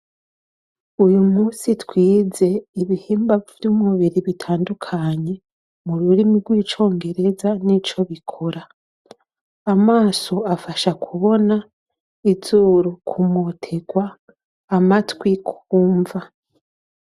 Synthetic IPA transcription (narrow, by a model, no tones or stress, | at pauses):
ujumuːsitwiːze̞iβihiːmbavjuːmuβiɾiβitʰaːndukʰaɲe̞ | muɾuɾimiɾɡwiːt͡ʃo̞ːŋɡe̞ɾe̞zanit͡ʃo̞βikʰo̞ɾa | amaːso̞afaʃakʰuβo̞na | izuːɾukʰumotʰe̞ɡwaː | matwikʰuːɱva